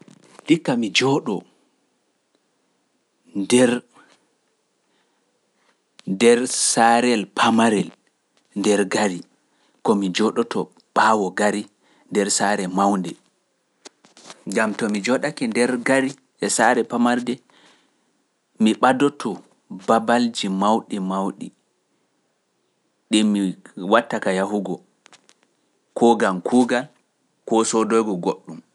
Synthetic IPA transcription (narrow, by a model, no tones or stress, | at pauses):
likːamid͡ʒɔɗɔ | ndɛɾ | dɛɾsaɾɛlpʰamaɾɛl | ndɛɾɡaɾi | kɔmid͡ʒɔɗɔtʰɔ | ɓ̥aːwɔɡaɾi | ndɛɾsaɾɛmawndɛ | ɡamtɔmid͡ʒɔɗakɛndɛɾɡaɾi | ɛsaɾɛpamaɾdɛ | miɓadɔtʰɔ | babald͡ʒimawɗimawɗḭ | ɗinːiwatːakajaɦuɡɔ | kʰɔɡamkʰuɡal | kɔsɔdɔjɡɔɡoɗːum